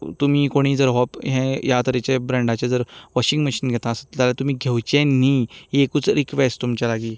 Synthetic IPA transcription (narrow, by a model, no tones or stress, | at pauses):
t̪um̤iːkoɽ̃iːd͡zəɾɦɔpɦɛ̃jat̪əɾɛt͡ɕebɾə̃ɳɖat͡ɕed͡zəɾʋɔɕĩŋɡməɕinɡʱɛt̪aːsət̪t̪alat̪um̤iːɡʱewt͡ɕẽniːjekut͡sɾikʋesʈt̪umt͡ɕalaɡiː